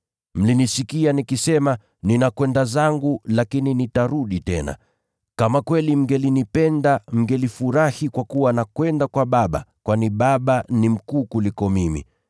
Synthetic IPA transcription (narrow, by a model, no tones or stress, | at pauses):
m̩linisikianikisɛma | ninakwɛndazaŋɡulakininitaɾuɗitɛna̰ | kamakwɛlim̩ɡɛlinipɛndam̩ɡɛlifuɾahikwakuwanakwɛndakwaɓaɓa̰kwaniɓaɓanim̩kuːkulikɔmimḭ